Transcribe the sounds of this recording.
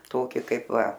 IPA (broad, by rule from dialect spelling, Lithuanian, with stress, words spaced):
ˈtoːkʲɪ ˈkɐɪp ˈʋɐ